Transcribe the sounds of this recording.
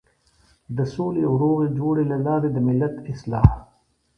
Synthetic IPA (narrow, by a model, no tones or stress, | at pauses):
d̪əsoːlewɾoːɣed͡ʒoːɽelalɑːɾed̪əmɪlːɐt̪ɪslɑːh